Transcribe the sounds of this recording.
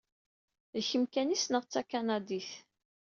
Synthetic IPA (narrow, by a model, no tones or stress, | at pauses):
ðçəmkænisnəʁt͡sːakanɑd̪iθ